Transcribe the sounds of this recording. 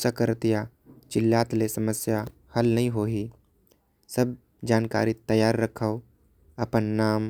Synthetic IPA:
sakəɾt̪ja | t͡ʃɪlːaːt̪lesɐməsja | hɐlnɐɦĩɦoːɦi | səb̚ | d͡ʒaːnka̰ːɾit̪ɐjaːɾːɐkʰəo | ɐpənːaːm

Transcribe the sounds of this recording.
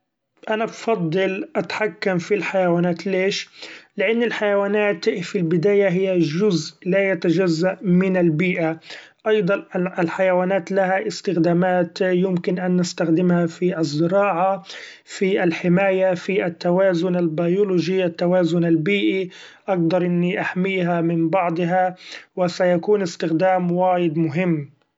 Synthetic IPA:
ʔanabfɑd̪ˤːɨlʔat̪ħakːamfilħajawaːnaːt̪leːʃlɪʔanːɪlħajawaːnaːt̪filbɪd̪aːjaɦɪjːaʒʊzlajat̪ad͡ʒazːaʔmɪnalbiːʔa | ʔɑjd̪ˤɑnɪlħajawaːnaːt̪lahaʔɪst̪ɪxd̪aːmaːt̪jʊmkɪnʔanːast̪axd̪ɪmhafiʔɑzˤːɪɾɑːʕa | fiʔalħɪmaːjafiʔat̪ːawaːzʊnalbajʊlʊʒiʔat̪ːawaːzʊnalbiːʔiʔaɡ̚d̪ɑɾˤʔɪnːiʔaħmiːɦamɪnbɑʕd̪ˤɦawɪsajakuːnɪst̪ɪxd̪aːmwaːjɪd̪mʊɦɪmː

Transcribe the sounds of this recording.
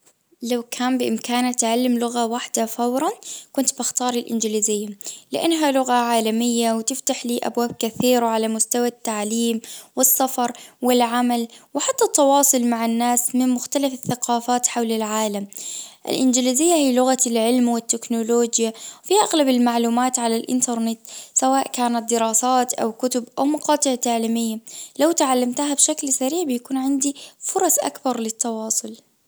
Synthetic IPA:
lawkʰaːmbɪʔɪmkaːnat̪ʕalːɪmlʊɣawaħd̪afawɾˤɑnkʊnt̪bɪxt̪ɑːɾˤɪlʔɪnd͡ʒɪlizɪjːalɪʔanːɦalʊɣaʕaːlamɪjːawt̪ɪft̪aħliːʔa̰bwaːb̚kaθiːɾwʕalamʊst̪awat̪ːaʕliːmwɪsːafɑɾˤwɪlʕamalwɪħat̪ːat̪ˤːɑwɑːsˤʊlmaʕɪnːaːsmɪnmʊxt̪alafɪθːaqɑːfaːt̪ħawlɪlʕaːlamʔɪ̰lʔɪnd͡ʒɪlɪzɪjːahiːlʊɣalʕɪlmwɪt̪ːɪknʊloːd͡ʒjawfiʔaɣlabɪlmaʕluːmaːt̪ʕalalʔɪ̰nt̪ɑɾˤnɪt̪sawaːʔkaːnat̪̚d̪ɪɾɑːsaːt̪ʔa̰wkʊt̪ʊbʔawmɑqɑːt̪ˤɪʕt̪aʕliːmɪjːalawt̪ʕalːamt̪ahabʃaklsaɾiːʕbɪjakuːnʕɪnd̪ifʊɾˤɑsʔa̰kbɑɾˤlɪt̪ːɑwɑːsˤʊl

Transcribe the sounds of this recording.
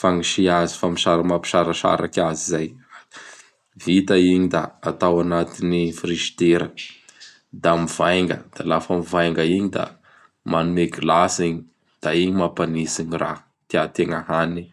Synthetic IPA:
faŋiʃiazi̥famiʃaɾamapi̥ʃaɾaʃa̰ɾa̰kʲazizaj | vit̪aiɲid̪aːt̪awanat̪inifɾiʃi̥t̪eɾə | d̪amivajŋɡə̰d̪̥alafəmivajŋɡəiɲid̪a̰ | manuekilasiɲi | d̪̥aiɲimapanisiɲira̰ | t̪iat̪eŋaɦani

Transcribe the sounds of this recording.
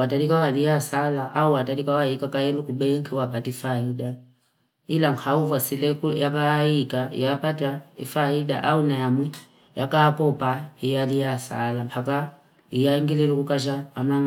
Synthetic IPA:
watalikawalijasalaʔauwatalikawaikakajɛlukuɓɛŋkʰɛwapatifaida | ilaŋkʰauvasilɛkujakaikaḭjapataḭfaida̰ʔaunajamu | jakapɔpaijalijasa̰lampʰaka | ijaiŋɡilɛlukukaʃ̬aːmaŋ

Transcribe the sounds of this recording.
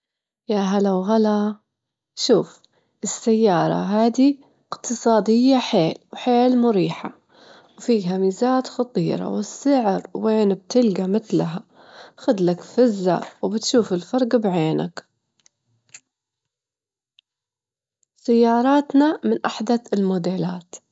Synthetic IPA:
jaɦalawɣala | ʃuːf | ʔɪsːajːɑːɾˤɑ̰ɦaːd̪i | ɪqt̪ʰɨsˤɑːd̪ɪjːaħeːlwħeːlmʊɾiːħa | wfiːɦamiːzaːt̪xɑt̪ˤiːɾˤɑ̰wɪsːɪʕɾweːnb̚t̪ɪlɡamɪt̪laɦa | xʊd̪lakfɪzːa̰wbɪt̪ʃuːfɪlfɑɾˤɡbʕeːna̰k | sajːɑːɾˤɑːt̪namɪnʔaħd̪aɪlmʊd̪eːlaːt̪

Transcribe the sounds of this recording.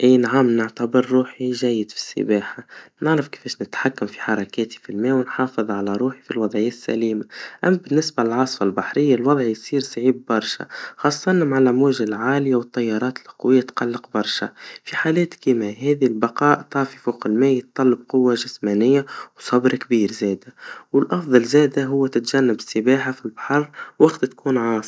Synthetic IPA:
ʔiːnʕamnɪʕt̪abəɾːuːħiʒæjːɪd̪fi̥sːə̰baːħanɪʕɾɑfkfɛːʃnɪt̪ħakːamfi̥ħɑɾˤɑkɛːt̪i̥filmɛːwnħɑːfɨðˤʕalæɾˤuːħi̥filwɑðˤʕɪjːasːæ̰liːmaʔæmːbɪnːɪsbalɪlʕɑsˤfalbaħɾɪjːalwɑðˤʕjsˤiːɾsʕiːbːɑɾˤʃa̰xɑːsˤːɑnamaʕalʔæmwæːʒalʕaːlɪjawət̪ˤːɑjːɑɾˤɑːt̪lqwɪjːat̪qalːɪqbɑɾˤʃa̰fiħaːlɛːt̪kimaɦɛːðilbɑqɑːʔt̪ˤɑːfifoqəlmɛːjət̪ˤːɑlːəb̚qʊwːaʒɪsmæːnɪjːawsˤɑbɾkbiːɾzɛːd̪awɪlʔɑfðˤɑlzɛːd̪aɦʊwːæt̪ɪt̪ʒænːabɪsːəbaːħafilbḁħɑɾˤwaqt̪t̪kuːnʕɑːsˤ

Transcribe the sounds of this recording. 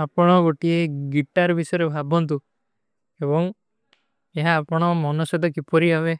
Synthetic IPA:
apɔɽ̃ɔɡoʈieɡiʈaɾbisɔjɾebʱabɔnt̪u | ebɔŋ | eɦaːpɔɽ̃ɔmɔnɔsed̪ɔkipɔɾiɦaβe

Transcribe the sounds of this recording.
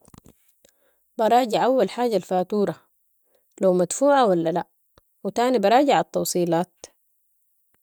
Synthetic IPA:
bɑɾˤɑːɟɪʕʔawːalħaːɟalfaːt̪uːɾˤɑ | lawmad̪fuːʕawalːalaʔ | wɪt̪aːnibɑɾˤɑːɟɪʕɑt̪ːɑwsˤiːlaːt̪̚

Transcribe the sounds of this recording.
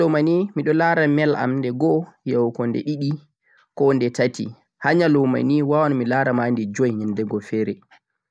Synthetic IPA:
ɔmanimiɗɔlaɾamɛla̰mndɛɡɔjawkɔndɛ̰ɗiɗi | kɔndɛtatḭ | haɲalɔma̰niwawanɔmilaɾamandɛd͡ʒɔjɲɛndɛɡɔfɛːɾɛ

